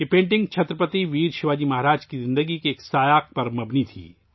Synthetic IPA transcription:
jepẽːɳʈɪ̃ŋɡt͡ʃʰɐt̪ɾəpət̪iʋiːɾʃɪʋaːd͡ʒimɐɦaːɾaːd͡ʒkizɪ̃nd̪əɡikeːksaːjaːk̚pɐɾmɐbnit̪ʰḭː

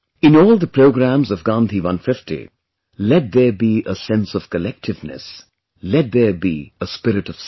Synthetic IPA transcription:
ɪ̃nɔːlˠd̪əpʰɹoʊɡɾæ̃mzʌvɡɑ̃ːnt̪ʰiwʌ̃nfɪftḭ | lɛt̪̚ðə˞biʔəsɛ̃nsʌv̥kəlɛk̚tʰɨvnɨ̰s | lɛt̪̚ðə˞bḭəspɪɾɨʈʌv̥s

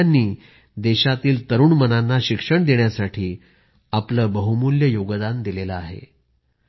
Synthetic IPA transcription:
anːiː | d̪eɕat̪iːlt̪əɾuːɳmənanːaɕikʂəɳd̪eɳjasaʈʰiː | apləːbəɦumuljəjoɡd̪and̪ilelaaɦḛ

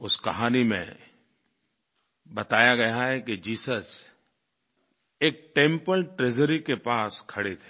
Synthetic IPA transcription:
ʊskɐɦaːnimḛ̃ | bɐt̪aːjaɡɐjaɦɛkid͡ʒiːsəs | eːk̚ʈẽːmpəlʈɾeːd͡ʒəɾikepaːskʰɐɽet̪ʰe̥

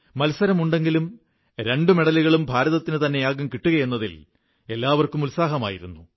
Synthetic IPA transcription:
mɐlsɐɾɐmuɳɖe̞ŋɡilum | ɾe̞ɳɖumeɽɐliɣɐɭumbʱaːɾɐðɐt̪ːinɨt̪ɐnːe̞jaːɡɐmkiʈːuɣɐje̞nːɐðḭl | e̞lːaːʋɐrkumulsaːɦɐma̰ːjiɾunːu

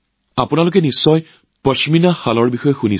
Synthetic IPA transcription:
apʊnalʊkɛnisːɔj | pɔsiminaxalɔɹbixɔjɔxuni

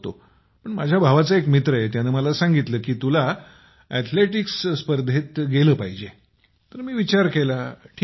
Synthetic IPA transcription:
t̪o̰ | pəɳmad͡ʑʱjabʱaʋat͡səekmit̪ɾəet̪janeməlasãŋɡit̪ləːkiːt̪ula | ɛt̪ʰleʈiksspəɾd̪ʱet̪ɡeləːpaɦid͡ʑe | t̪əɾmiːʋit͡ɕaɾkelaʈʰː

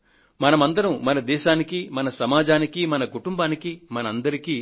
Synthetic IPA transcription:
mɐnɐmɐnd̪ɐnumɐnɐd̪ɛːʃaːnikimɐnɐsɐmaːd͡ʒaːnikimɐnɐkuʈumbaːnikimɐnɐɐnd̪ɐɾikiː

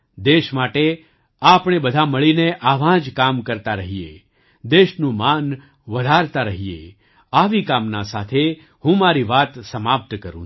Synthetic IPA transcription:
d̪eʃmaʈe | apɳ̃ebəd̪ʱaməɭineʔaʋãd͡ʒkamkəɾt̪aɾəɦiḛ | d̪eʃnũman | ʋəd̪ʱaɾt̪aɾəɦijḛ | aʋikamnasat̪ʰe | hũmaɾiʋat̪səmap̚t̪kəɾũ

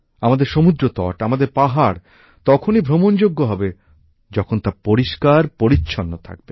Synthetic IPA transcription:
amad̪eɾʃomud̪ɾot̪ɔ̰ʈamad̪eɾpaɦaɾ | t̪ɔkʰonibʱɾomond͡ʑoɡːoɦɔbe | d͡ʑɔkʰont̪apoɾiʃkaɾpoɾitːɕʰonːot̪ʰa̰k̚be

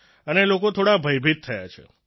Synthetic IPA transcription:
ənelokot̪ʰoɽabʱəjbʱit̪̚t̪ʰːəja̰t͡ʃʰḛ

